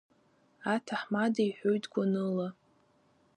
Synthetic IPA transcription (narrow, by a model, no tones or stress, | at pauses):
atʰaħmadajħʷᶣojtʰʼɡʷanɨla